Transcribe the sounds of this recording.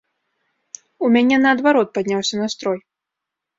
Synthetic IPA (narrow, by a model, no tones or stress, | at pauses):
umʲanʲɛnɐːd̪vaɾɔt̪̚pad̪ʲnʲawsʲɐnɐst̪ɾɔj